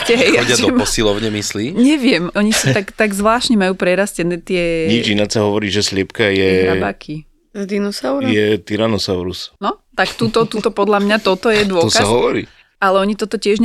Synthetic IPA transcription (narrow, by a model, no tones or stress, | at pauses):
cɛɦɛjaadd̪ɔmɔsilɔʊɲɛmisliːɲɛʋɪɛmɔɲisut̪akt̪aɡzʋlaːʃtɲɛmajuːpɾɛɾascɛnɛːt̪ɪɛɲid͡ʒinatsaɦɔʋɔɾiːʒɛslɪɛpkajɛnabaːkʰi | zd̪inusaʊɾjɛt̪iɾanɔsaʊɾusnɔt̪akt̪uːt̪ɔt̪uːt̪ɔpɔd̪ʎamɲat̪ɔt̪ɔjɛd̪ʊɔɔkaasɦɔʋɔɾḭː | ʔalɛɔɲit̪ɔt̪ɔcɪɛʒɲ